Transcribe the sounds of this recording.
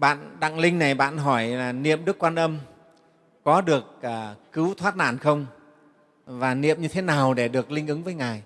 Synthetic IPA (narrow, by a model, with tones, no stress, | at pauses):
ɓa̰ː˧˨nɗa̰˧˨ŋlï˧ŋ̟na˨˩jɓa̰ː˧˨nɦɔ˧˩jlaː˨˩nḭ˧˨əmɗɨ˦˥əkːwaː˧nʔə˧m | kɔ˨˦ɗɨ˨˩ək̚aː˨˩kɨ˨˦wt̪ʰwaː˦˥t̚na̰ː˧˩˨nxə˧wŋ͡m | vaː˨˩nḭ˧˨əmɲɨ˧t̪ʰe˨˦naː˨˩wɗe˧˩ɗɨ˨˩ək̚lï˧ŋ̟ʔɨ˨˦ŋvəː˨˦jŋaː˨˩j